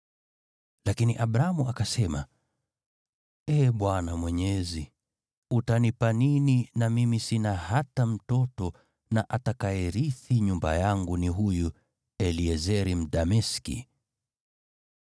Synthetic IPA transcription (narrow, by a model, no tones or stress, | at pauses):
lakiniʔaɓɾaamuakasɛma | ɛɓwanamwɛɲɛzi | utanipanininamimisinahatam̩tɔtɔ | naʔatakajɛɾiθiɲumba̰jaŋɡuniɦuju | ɛliɛzɛɾim̩ɗamɛskḭ